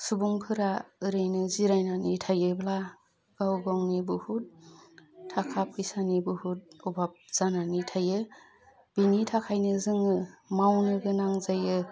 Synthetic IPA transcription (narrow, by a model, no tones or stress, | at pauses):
subuŋkʰɯɾaɯɾɯjnɯziɾajnanitʰajɯbla | ɡ̥awɡɔŋnibɯhut̚ | tʰːakʰap̚isanibɯhut̚ubap̚z̥ananitʰajɯ | b̥initʰakʰajnɯzɯŋɯmawnɯɡɯnaŋzajɯ